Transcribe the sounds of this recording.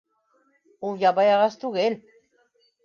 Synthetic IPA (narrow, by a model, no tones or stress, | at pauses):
ujaβajaɣast̪uɣel